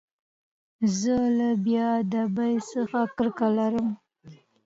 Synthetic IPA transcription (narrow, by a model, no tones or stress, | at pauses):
zəlabjɑd̪əbajsəxakəɾkalaɾəm